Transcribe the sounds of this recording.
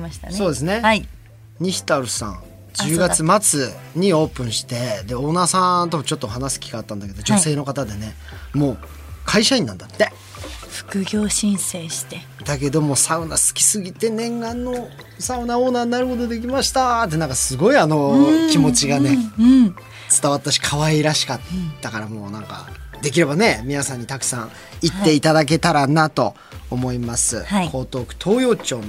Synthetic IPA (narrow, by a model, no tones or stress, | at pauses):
maɕi̥t̪a̰so̞ːd̪e̞s̬ɨne̞ | ɲ̟içi̥t̪aɾɯ̟sã̰ŋ | d͡ʑɨːɡat͡st͡sɨmat͡sɨɲ̟io̞ːpɯ̟̃ɰ̃ɕi̥t̪e̞d̪e̞o̞ːnaːsãnt̪o̞mt͡ɕo̞t̪ːoɦanasɨ̥kʲi̥kaːt̪ːãnd̪ake̞d̪o̞d͡ʑo̞se̞ːno̞kat̪ad̪e̞ne̞ | mo̞ː | kʰaiɕaĩnːã̰nd̪at̪ːe | ɸɯ̥kɯ̟ɡʲoːɕĩɰ̃seːɕi̥t̪e | d̪ake̞d̪o̞mo̞ːsaɯ̟nasɨ̥kʲi̥sɨɡʲit̪e̞nẽ̞ŋɡãnːo̞ | saɯ̟naoːnaːaɾɯ̟ho̞d̪o̞d̪e̞k̬ʲimaɕi̥t̪at̪ːe̞nãŋkasɨɡo̞iano̞kʲimo̞t͡ɕiɡane̞ | t͡sɨ̥t̪aβat̪ːaɕi̥kʰaβaiɾaɕi̥kat̪ːakaɾamo̞ːnãŋka̰d̪e̞kʲiɾe̞bane̞mʲinasãɲ̟ːit̪akɯ̟̥sã̰ɰ̃ | it̪ːe̞it̪ad̪ak̬e̞t̪aɾanat̪o̞̰ː | mo̞imasɨ̰ikʰo̞ːt̪o̞ːkɯ̟̥t̪ʰo̞ːjo̞ːt͡ɕo̞ːn